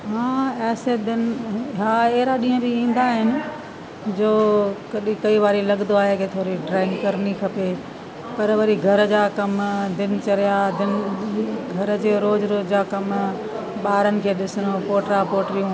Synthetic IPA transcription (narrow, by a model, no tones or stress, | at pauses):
ɦãːɛːsed̪ɪnɦãːeɦɾaɗĩːə̃biĩːn̆d̪aɦɪnɪ̆ | d͡ʑoːkɐɗĩkɐiʋaːɾilɐɠnd̪oaːɦeket̪ʰoːɾiɖɾaːɪnkɐɾnikʰɐpeː | pɐɾʋɐɾiɡʱɐɾd͡ʑaːkɐmd̪ɪnɪ̆t͡ɕɐɾijad̪ɪn | ɡʱɐɾd͡ʑeːɾoːzɾoːd͡ʑaːkɐm | ɓaːɾənɪ̆kʰeːɗɪsɪnopoːʈɾapoːʈɾijũ